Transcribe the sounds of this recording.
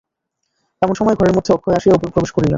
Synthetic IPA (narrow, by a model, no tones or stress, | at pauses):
t̪ɛmonʃɔmɔeɡʱɔɾeɾmod̪ʱːeɔkʰːoeaʃieupopɾobeʃkoɾilḛn